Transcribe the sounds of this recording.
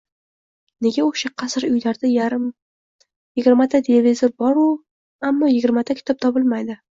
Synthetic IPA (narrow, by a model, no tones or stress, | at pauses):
ne̞ɡʲaoʃaqʰɑsɾʊjlaɾd̪aj | jɪɡʲɪɾmat̪ʰat̪ʰelevizoɾbɒɾʊ | amːɒjɪɡʲɪɾmat̪ʰakʲʰɪ̥t̪ʰɒp̚t̪ʰɒbɪlmajd̪ɪ